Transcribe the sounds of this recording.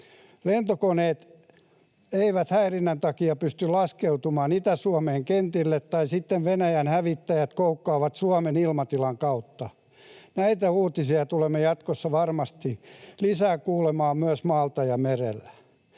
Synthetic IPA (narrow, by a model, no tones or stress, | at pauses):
lent̪okoneːt̪ | eiʋæt̪hæirinːænt̪ɑkiɑpyst̪ylɑskeut̪umɑːnit̪æsuɑmeːŋkent̪ilːet̪t̪ɑisit̪ːeʋʋenæjænhæʋit̪ːæjæt̪koukːɑːʋɑt̪suɑmenilmɑt̪ilɑŋkɑut̪ːɑ | næit̪æuːt̪isiɑt̪ulemːejɑt̪kosːɑʋɑrmɑst̪ilisæːkuːlemɑːmyæsmɑːlt̪ɑjɑmerelːæ